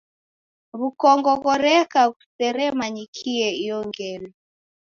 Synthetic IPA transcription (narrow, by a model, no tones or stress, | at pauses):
βukɔŋɡɔkɔɾɛkaku̥sɛɾɛmaɲikʰiɛijɔŋɡɛlɔ